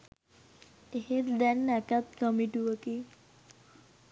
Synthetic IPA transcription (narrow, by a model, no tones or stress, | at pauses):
ehet̪d̪ɛnːɛkat̪kəmiʈuʋəki